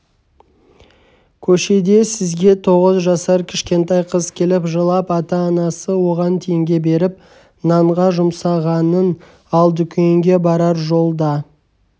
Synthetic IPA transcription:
kʲʰɵʃe̞d̪e̞sɪzɡʲe̞t̪ʰo̞ʁəzʒɑsɑɾkʲʰɪ̥ʃkʲe̞nt̪ɑjqʰəzkʲʰe̞lɪpʒəlˠɑpɑt̪ɑːnɑsəwo̞ʁɑnt̪ʰe̞jɪŋɡʲe̞be̞ɾɪp̚ | nɑɴʁɑʒʊmsɑʁɑnən | ɑlˠd̪ʏkʲeŋɡʲe̞bɑɾɑɾʒo̞lˠd̪ɑ

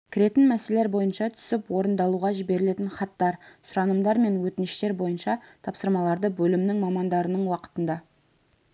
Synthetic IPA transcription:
kʲʰɪɾe̞t̪ɪnmæse̞leɾbo̞jənʃɑt̪ʰʏ̥sɪpwo̞ɾənd̪ɑlˠuʁɑʒibe̞ɾɪle̞t̪ɪnχɑt̪ːɑɾsʊɾɑnəmd̪ɑɾme̞nwɵt̪ɪnɪʃt̪e̞ɾbo̞jənʃɑt̪ʰɑpsəɾmɑlˠɑɾd̪əbɵlɪmnɪŋmɑmɑnd̪ɑɾənəɴwɑqə̥t̪ənd̪ɑ

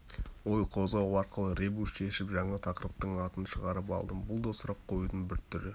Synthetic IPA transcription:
wojqʰo̞zʁɑwɑɾqəlˠəɾe̞buʃʃe̞ʃɪpʒɑɴɑt̪ʰɑqəɾəp̚t̪əɴɑt̪ənʃəʁɑɾəpɑ̰lˠd̪əmbʊlˠd̪o̞sɾɑqʰːo̞jud̪ənbɪɾt̪ʰʏɾɪ

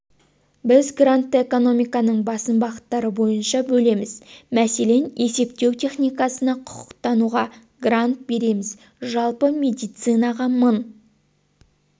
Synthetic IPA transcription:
bɪzɡrant̪ːəe̞ko̞no̞mijkɑnəɴbɑsəmbɑqət̪ːɑɾəbo̞jənʃɑbɵle̞mɪzmæse̞le̞ne̞se̞pt̪e̞wt̪ʰe̞χnijkɑsənɑqʰʊ̥qʊ̥qt̪ɑnuʁɑ | ɡrant̪̚be̞ɾe̞mɪz | ʒɑlˠpəme̞d̪ijt̪sɨnɑʁɑmən

